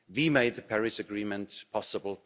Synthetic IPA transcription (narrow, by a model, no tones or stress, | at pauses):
wimeɪd̪̚ðəpʰɛɹɪsɨɡɹĩːmə̃ntpʰɑsəbl̩ˠ